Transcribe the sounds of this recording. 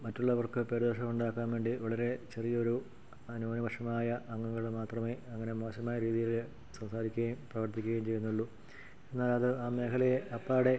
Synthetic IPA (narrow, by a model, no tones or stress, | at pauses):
mɐtːuɭːɐʋɐrkɨpeɾuðoːʂɐmuɳɖaːkːaːmʋe̞ːɳɖiʋɐɭɐɾe̞t͡ɕe̞rijɐoɾu | ɐnuɐnɐʋɐʂɐmaːjɐʔɐŋːɐŋːɐɭmaːt̪rɐme̞ːɐŋːɐne̞mo̞ːɕɐmaːjɐɾiːðijil | sɐmsaːɾikʲːuɣɐjumprɐʋɐrt̪ikʲːuɣɐjumt͡ɕe̞jːunːuɭːu | e̞nːaːlɐðɨaːme̞ːkʰɐlɐjeɐpːaːɽe̞